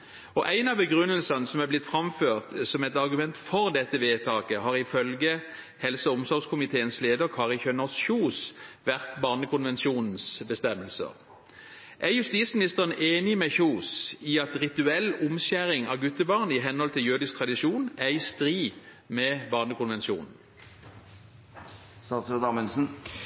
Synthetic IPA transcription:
ɔʔæɪnɑʋbəɡʁʉnːəlsɑnəsɔmæblɪt̪fʁɑmføːʁt̪sɔmɛɪt̪ɑʁɡʉmɛnt̪fɔʁd̪ɛt̪ːəʋeːt̪ʰɑːkəhɑːʁɪfœlɡə | hɛlsəʊmsɔʁɡskʰʊmɪt̪ʰeːənsleːd̪əkʰɑːʁɪçœnɔʁsçuːsʋæʁt̪bɑːʁnəkʊnʋɛnsuːnn̩sbəst̪ɛmːəlsə̰ʁ | ʔæjʉst̪iːt̪smɪnɪst̪əʁənʔeːnɪmɛçuːsiɑt̪ʁɪt̪ʉɛlːʊmɕæʁɪŋɑʋɡʉt̪əbɑːʁnəɪɦɛnhɔlt̪ʰɪljøːd̪ɪsk̚t̪ʰʁɑd̪ɪʂuːnæɪst̪ʁiː | mɛbɑːʁnəkʊnʋɛnsjṵːnn̩ | sɑsod̪ɑːmənsn̩

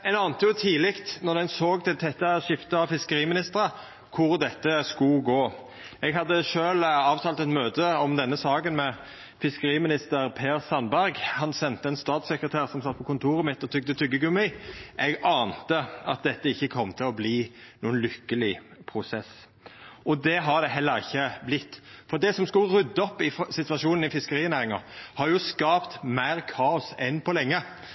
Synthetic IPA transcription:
ɛnɑːnt̪əjʊt̪ʰiːlɪkt̪nɔʁd̪ɛnsoːɡt̪ʰɛt̪ʰɛt̪ːəʃɪft̪əɑʋfɪskəɾiːmɪnɪst̪əʁə | kʰʊɾd̪ɛt̪ːəskʊɡoː | ɛɡɦɑd̪ːəʃøːlɑːʋt̪ʰɑːlt̪ɛt̪møːd̪əɔmd̪ɛnːəsɑːkənmɛ | fɪskəʁiːmɪnɪst̪əʁpʰeːʁsɑnbæʁɡhɑnsɛnt̪əɛnst̪ɑːt̪sɛkʁət̪ʰæːʁsɔmsɑt̪ːpʰɔkʊnt̪ʰuːʁɪmɪt̪ːɔt̪ʰʏɡ̚d̪ət̪ʰʏɡːəɡʉmɪʔɛɡɑːnt̪əɑ̰t̪̚d̪ɛt̪ːəɪçːəkʰɔmːt̪ʰɪlɔbliːnuːənlʏkːəlɪpʰʁʊsɛs | ʔɔd̪ɛɦɑʁd̪ɛɦɛlːəɾɪçːəblɪt̪ːfɔʁd̪ɛsɔmskʉʁʉd̪ːəɔpːɪfsɪt̪ʋɑʃuːnn̩ɪfɪskəʁiːnæːʁɪŋɑhɑɾjʊskɑːpt̪mæɪʁkʰɑːʊsɛnpʰɔlɛŋːə

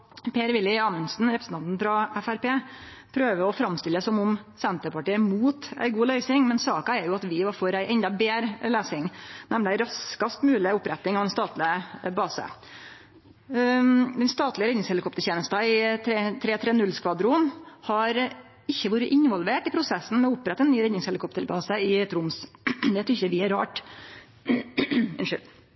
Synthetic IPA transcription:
pʰeːɾʋɪlːɪɑmənsn̩ɾɛpɾəsn̩ʰɑnt̪n̩fɾɑæfæɾpeːpʰɾøːʋəɾɔfɾɑmst̪ɪlːəsɔmʊm | sɛnt̪əɾpɑʈiːəmuːt̪æ̰ɪɡuːlœʏsɪŋmɛnsɑːkɑɛɾjʊɑt̪ʋɪʋɑfɔɾæɪʔɛnd̪ɑbeːɾleːsɪŋnæmlɪæɪɾɑskɑst̪mʉːlɪʊpːɾɛt̪ːɪŋɑʋd̪ɛnst̪ɑːt̪lɪəbɑːsə̰ | d̪ɛnst̪ɑːt̪lɪəɾɛd̪nɪŋshɛlɪkʰɔpt̪əɾçʰjeːnəst̪ɑɪt̪ʰɾet̪ʰɾeːt̪ʰɾeːnʉlskʋɑd̪ɾuːnhɑɾ | ɪçːəʋoːɾəʔɪnʋɔlʋeːʈɪpʰɾʊsɛsːn̩mɛɔʊpːɾɛt̪ːəɛnːyːɾɛd̪nɪŋshɛlɪkʰɔpt̪əɾbɑːsəɪɛt̪ɾʊmsd̪ɛt̪ʰʏçəʋɪɛɾɾɑ̰ːʈ | ɪ̰nʂʏl

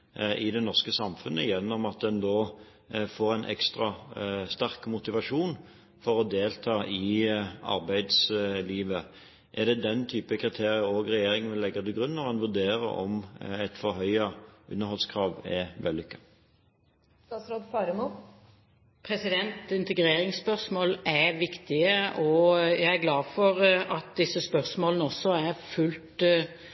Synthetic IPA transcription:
ɪd̪ɛnɔʁskəsɑmfʉnə̰jɛnːɔmɑt̪̚d̪ɛnd̪oː | foːʁæɪnʔɛ̰kst̪ʁɑst̪æʁkmʊt̪ɪʋɑʂuːn | fɔʁɔd̪eːlt̪ʰɑːʔɪɑ̰ʁbæɪd̪sliːʋə | ʔɛʁd̪ɛd̪ɛnt̪ʰyːpəkʰʁɪt̪ʰeːʁɪəoːɡʁɛjeːɾɪŋənʋɪlːɛɡːəd̪ɪɡʁʉnːɔʁɛnʋʉd̪eːʁə̰ʔɔ̰mɛɪt̪fɔɾɦœʏɑʔʉ̰nːəɾhɔlskʰʁɑːʋɛʋɛlːʏkːɑ | st̪ɑːt̪sɾoːd̪fɑːɾəmu | pʰɾɛsɪd̪ɛnt̪ɪnt̪əɡɾeːɾɪŋspœʁsmoːlæʋɪkt̪ɪəɔjæɪæɡlɑːfɔɾɑt̪̚d̪ɪsəspœʁsmoːlənəɔsːɔæɾfʉlt̪

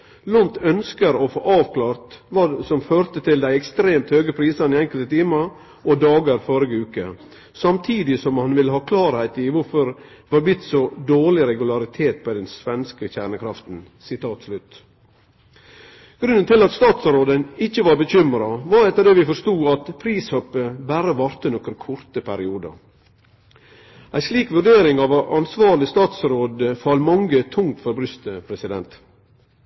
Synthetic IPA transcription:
lɔnt̪œnskəɾɔfo̰ːʔɑːʋkʰlɑːɾt̪ʋɑsɔmføːɾt̪ət̪ʰɪld̪æɪɛkst̪ɾeːmt̪høːɡəpʰɾiːsənɪɛŋkəlt̪ət̪ʰiːmɑ | ʔɔd̪ɑːɡəɾfɔɾəɡəʉːkə̰ | sɑmt̪ʰiːd̪ɪsɔmhɑnʋɪlːəhɑːkʰlɑːɾhæɪt̪ɪʋʊɾfɔɾ | hɑɾblɪt̪ːsɔd̪oːɭɪɾɛɡʉlɑɾɪt̪ʰeːt̪̚pɔd̪ɛnsʋɛnskəçæːɳəkʰɾɑft̪n̩sɪt̪ʰɑːt̪slʉt̪ | ɡ̥ɾʉnːənt̪ɪlɑt̪st̪ɑːt̪sɾoːd̪ənɪçːəʋɑɾbəçʏmɾɑʋɑɾɛt̪ːəɾɖ̪eːʋɪfɔɾʂt̪uːɑt̪pʰɾiːshœpːəbæːɾəʋɑɾt̪ənɔkəɾkʰʊɾt̪əpʰæɾɪuːd̪ə̰ | æɪsliːkʋʉɾɖeːɾɪŋɑʋɑʔɑnsʋɑːɾlɪst̪ɑːt̪sɾoːd̪əfɑlmɑŋɡət̪ʰʊŋt̪fɔɾbɾʏst̪əpʰɾɛsɪd̪ɛ̰nt̪

